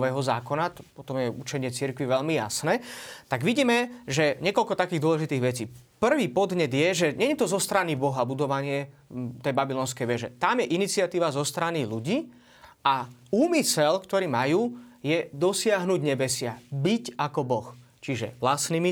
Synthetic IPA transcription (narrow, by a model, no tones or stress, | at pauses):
ʋɛːɦɔzaːkɔnat̪ɔ̥pɔt̪ɔmjɛṵt͡ʃɛɲɪɛt͡siɾkʋiʋɛʎmija̰snɛːt̪aɡʋiɟiːmɛʒɛɲɪɛkɔlkɔt̪akiːɣd̪ʊɔlɛʒit̪iːɣʋɛt͡siːpr̩ʋiːpɔd̪ɲɛd̪jɛʒɛɲɛɲɛt̪ɔzɔst̪ɾanibɔɦabud̪ɔʋaɲɪɛt̪ɛjbabilɔːns̬kɛjʋɛʒɛt̪amjɛʔinit͡siɪat̪iːʋazɔst̪ɾaniluɟiː | auːmisɛlkt̪ɔɾiːmajuːjɛd̪ɔsɪaɦnuɟɲɛbɛsɪabicakɔbɔx | t͡ʃiʒɛ̰ʋlasnimi